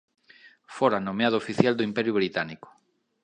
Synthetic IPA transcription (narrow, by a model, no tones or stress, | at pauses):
foɾanomeaðʊofiθjald̪oimpɛɾjʊβɾit̪anikʊ̥